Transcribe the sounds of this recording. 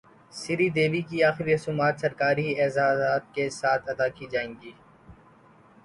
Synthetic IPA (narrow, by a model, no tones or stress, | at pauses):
sɪɾiːd̪eːbikiaːxɪɾiɦʊsuːmaːt̪sɐɾkaːɾiɛːzaːzaːt̪̚kesaːt̪ʰɐd̪akid͡ʒaːẽːŋɡiː